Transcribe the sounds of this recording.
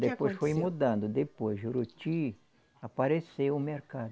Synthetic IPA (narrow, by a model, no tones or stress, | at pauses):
d̪epojsfojmud̪ɐ̃nd̪ʊd̪epojʒuɾut͡ʃi | apaɾesewʊmeɾkad̪